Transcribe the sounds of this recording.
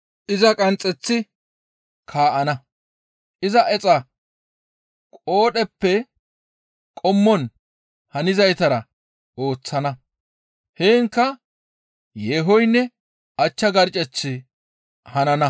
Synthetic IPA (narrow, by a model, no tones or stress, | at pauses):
ʔɪzɐkʼɐnt͡sʼːɛt͡sːɪ | kʰaːʔɐnɐ | ʔɪzɐʔɛt͡sʼɐ | kʼo̞ːɗɛpːɛ | kʼɔmːɔn | hɐnɪzɐjt̪ɐɾɐ | o̞ːt͡sːɐnɐ | heːŋkːɐ | jeːɦɔjnːɛ | ɐt͡ʃːɐɡɐɾt͡ʃʼɛt͡sːɪ | hɐnɐnɐ